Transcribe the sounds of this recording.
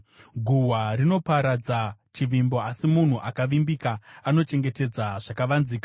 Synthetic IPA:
ɡʱuwarino̞paɾad͡zat͡ʃiʋimbo̞asimun̤uʔakaʋimbikaːno̞t͡ʃe̞ŋɡe̞te̞d͡zaʐ̥akaʋanziːkḁ

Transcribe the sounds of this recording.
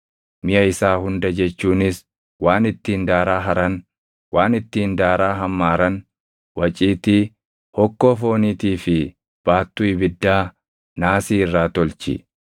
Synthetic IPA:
mɪjɐɪsaːhʊnd̪ɐd͡ʒɛt͡ʃːuːnɪs | waːnɪt̪ːiːnd̪aːɾaːɦɐɾɐn | waːnɪt̪ːiːnd̪aːɾaːɦɐmːaːɾɐn | wɐt͡ʃʼiːt̪iː | hɔkːo̞ːfo̞ːniːt̪iːfɪ | b̥aːt̪ːuːɪbɪd̪ːaː | naːsiːɪrːaːt̪ɔlt͡ʃɪ̰

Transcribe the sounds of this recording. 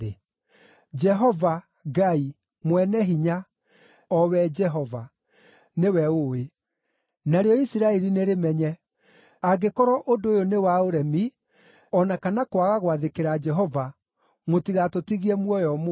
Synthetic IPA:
e | d͡ʒɛɦɔva | ɡai | mwɛnɛɦiɲa | ɔwɛd͡ʒɛɦɔva | newɛowe | naɾeɔisiɾaɛɾineɾemɛɲɛ | aɡekɔɾɔʔodoːjonewaoɾɛmi | ɔnakanakwaɣaɣwaðekeɾad͡ʒɛɦɔva | motiɣatotiɣiɛmwɔjɔm

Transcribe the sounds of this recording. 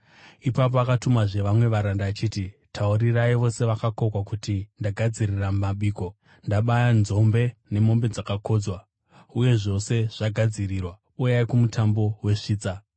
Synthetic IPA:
ipap̬o̞akatumaʐe̞ʋamwe̞ʋaɾandaːt͡ʃiːtitʰauɾiraiʋo̞se̞ʋakako̞kwakutindaɡʱad͡ziriramumaɓiːko̞ | ndaɓajanzo̞mbe̞ne̞mo̞mbe̞d͡zakako̞d͡zwa | uje̞ʐo̞se̞ʐ̥aɡʱad͡zirirwa | ujaikumutʰambo̞we̞ʂiːt͡sa

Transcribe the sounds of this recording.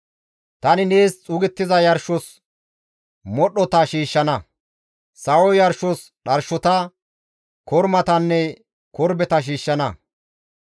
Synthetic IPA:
t̪ɐnɪneːst͡sʼʊːɡɪt̪ːɪzɐjɐɾʃɔs | mɔɗːɔt̪ɐʃiːʃːɐnɐ | sɐwɔjɐɾʃɔs | ɗɐɾʃɔt̪ɐ | kɔɾmɐt̪ɐnːɛ | kɔɾbɛt̪ɐʃ̬iːʃːɐnɐ

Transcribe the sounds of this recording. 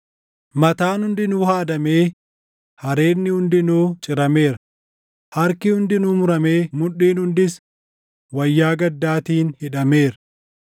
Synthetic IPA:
mɐt̪aːnhʊnd̪ɪnuːhaːd̪ɐme̞ː | hɐɾe̞ːnːɪhʊnd̪ɪnuːt͡ʃʼɪɾɐme̞ːɾ | hɐɾkɪhʊnd̪ɪnuːmʊɾɐme̞ːmʊᶑiːnhʊnd̪ɪs | wɐjːaːɡɐd̪ːaːt̪iːnhɪᶑɐmeːɾɐ

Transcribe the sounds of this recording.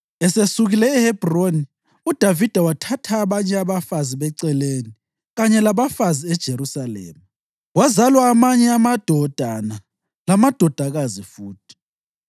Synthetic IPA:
ɛsesuɣilɛːhɛb̥ʱroni | ud̥ʱavid̥ʱawatʰatʰaːβaɲɛaβafaziβɛǀɛleni | ɣaɲɛlaβafaziɛd̥ʒ̥ʱeɾusalḛːma | wazalwaːmaɲɛamad̥ʱɔd̥ʱana | lamad̥ʱɔd̥ʱaɣazifuːtʰi̥

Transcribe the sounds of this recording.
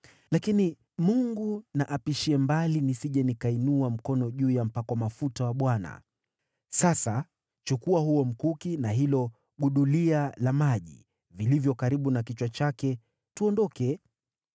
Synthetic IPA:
lakini | muŋɡunaʔapiʃiɛmbalinisiʄɛnikainuam̩kɔnɔʄuːjam̩pakwamafutawaɓwana̰ | sasa | t͡ʃukuahuɔm̩kukinaɦilɔ | ɠuɗulialamaʄḭ | vilivjɔkaɾiɓunakit͡ʃwat͡ʃakɛ | tuɔndɔkɛ

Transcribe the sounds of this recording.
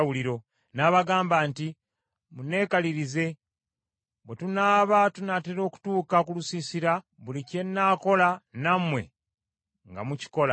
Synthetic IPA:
wuliɾo̞ | naβaɡaːmbaːnti | mune̞ːkaliɾize̞ | βwetunaːβatunateɾo̞ːku̥tuːkakulusisiɾa | βulice̞nːaːko̞lanamwe̞ | ŋɡa̰muci̥ko̞la

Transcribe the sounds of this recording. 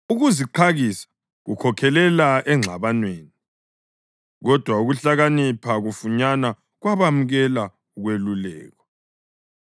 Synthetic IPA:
uɣuziǃʰaɣisḁ | ɣukʰɔkʰɛlɛlaɛŋ͡ǁʱaβanweːni | ɣɔd̥ʱwauɣuɬaɣanipʰaɣufuɲana | ɣwaβamuɣɛla | uɣwelulɛ̰ːɣɔ

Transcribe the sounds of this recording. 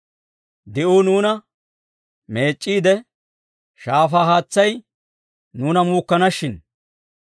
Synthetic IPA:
d̪ɪʔuːnuːnɐ | me̞ːt͡ʃʼːiːd̪ɛ | ʃaːfaːɦaːt͡sːɐj | nuːnɐmuːkːɐnɐʃɪn

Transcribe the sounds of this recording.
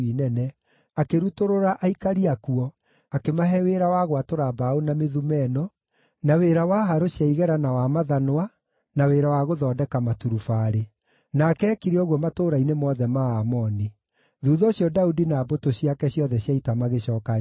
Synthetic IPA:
inɛnɛ | akeɾutoɾoɾaʔaikaɾiakuɔ | akemaɦɛweɾawaɣwatoɾabaonameðumɛnɔ | naweːɾawaɦaɾoɕjaiɣɛɾanawamaðanwa | naweːɾawaɣoðɔːdɛkamatuɾufaɾe | nakɛkiɾeɔɣwɔmatoːɾainemɔðɛmaamɔni | ðuːðɔɕjɔdaudinaːbotoɕiakɛɕjɔðɛɕjaitamaɣeɕɔːka

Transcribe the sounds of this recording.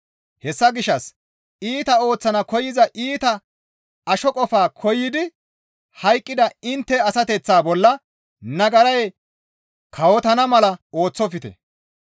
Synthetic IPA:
hɛsːɐɡɪʃːɐs | iːt̪ɐo̞ːt͡sːɐnɐkɔjɪzɐʔiːt̪ɐ | ɐʃɔkʼɔfaːkʰɔjːɪd̪ɪ | hɐjkʼːɪd̪ɐɪnt̪ːɛɐsɐt̪ɛt͡sːaːbɔlːɐ | nɐɡɐɾɐj | kʰɐwɔt̪ɐnɐmɐlɐo̞ːt͡sːɔfɪt̪ɛ̰

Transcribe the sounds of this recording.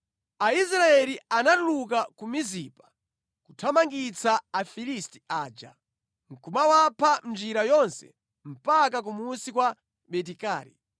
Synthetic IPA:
ais̬ɾaɛlianatulukakumizipḁ | kutʰamaŋɡit͡saːfilisti̥aːd͡ʒa̰ | ŋ̩kumawapʰand͡ʒiɾajɔnsɛ̰ | m̩pak̬ak̬umusikwa | ɓɛt̬ika̰ːɾḭ

